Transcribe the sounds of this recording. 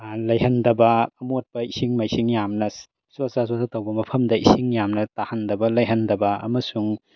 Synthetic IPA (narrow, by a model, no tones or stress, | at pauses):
lɐjɦɐndɐbɐːmot̚pɐisiŋmajsiŋjamnɐ | sosasosatɐwbɐmɐpʰɐmdɐisiŋjamnɐtahɐndɐbɐlɐjɦɐndɐbɐɐ̰mɐsuŋ